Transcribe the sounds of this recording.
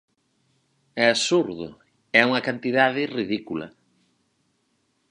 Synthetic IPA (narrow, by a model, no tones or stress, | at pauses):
ɛasuɾðʊ̰ | ɛuŋɐkant̪iðaðɪriðikulɐ̰